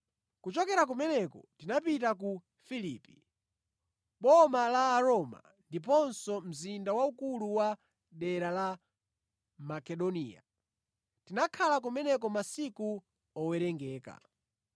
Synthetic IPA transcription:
kut͡ʃɔkɛɾak̬umɛnɛkɔ̰tinapitaku | filiːpi | ɓɔmalaːɾɔma̰ | ndip̬ɔnsɔm̩zindawaukuluwa | ɗɛɾala | makɛɗɔnḭːa̰ | tinakʰalak̬umɛnɛkɔmasiku | ɔwɛɾɛŋɡɛːka̰

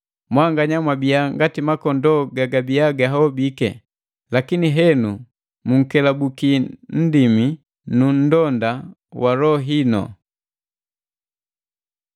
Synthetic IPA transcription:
mwaŋɡaɲamwabiaŋɡatimakɔndɔɡaɡabiaɡaɦaɔbikɛ̰ | lakiniɦɛnu | muŋ̩kɛlabukin̩dimi | nun̩dɔndawalɔɦinɔ̰

